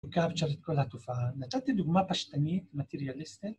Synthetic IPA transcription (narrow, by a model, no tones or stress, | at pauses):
kabt͡ʃaɾet̪̚kolhat̪ufaanat̪at̪id̪uɡmapaʃt̪anit̪mat̪eɾijalist̪it̪